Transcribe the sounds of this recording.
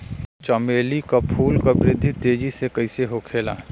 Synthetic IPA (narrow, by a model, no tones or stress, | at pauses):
t͡ʃɐmeːlikapʰuːlkabɾɪd̪ʱːit̪eːd͡ʒisekɐiseɦokʰeːla̰ː